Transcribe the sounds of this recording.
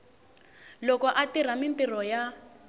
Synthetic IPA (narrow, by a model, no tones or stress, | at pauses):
lɔkɔʔatiɾ̤amint̪irɔja